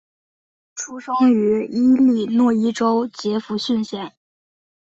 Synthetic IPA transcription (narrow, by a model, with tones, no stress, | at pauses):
ʈ͡ʂʰu˥ʂɤ˥ŋy˧˥i˥li˥˩nwɔ˥˩i˥ʈ͡ʂo˥ʊt͡ɕjɛ˧˥fu˧˥ɕy˥˧nɕjɛ˥˩n